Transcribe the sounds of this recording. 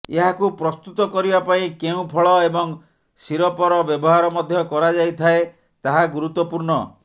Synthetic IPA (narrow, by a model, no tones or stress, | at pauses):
eɦakupɾɔst̪ut̪ɔkɔɾibapaĩkeũpʰɔɭɔebɔŋ | siɾɔpɔɾɔbjɔbɔɦaɾɔmɔd̪ʱjɔkɔɾad͡ʒajt̪ʰae | t̪aɦaɡuɾut̪ːɔpuɾɳɔ